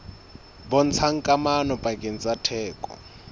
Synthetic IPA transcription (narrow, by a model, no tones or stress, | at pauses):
bɔn̩t͡sʰaŋ̩kʼamanɔpʼakʼɪn̩t͡sʼatʰɛːkʼɔ̰